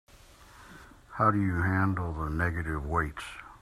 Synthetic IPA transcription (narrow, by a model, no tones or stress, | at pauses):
haʊɾɨjɨɦæ̃ndˡl̩ˠðənɛɡɨɾɪvweɪts